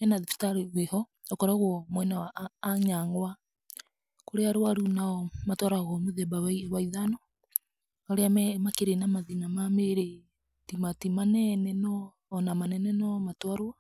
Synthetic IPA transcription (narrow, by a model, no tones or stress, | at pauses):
ɛnaðifi̥taɾiwehɔ | ɔkɔɾaɣɔmwɛnawaːɲaŋɡwa | koɾeaɾwaɾunaɔmatwɔɾaɣɔmoðɛbawɛiwaiðanɔ | aɾeamɛmakeɾenamaðinamameɾe | timatimanɛnɛnɔː | namanɛnɛnɔmatwaɾwa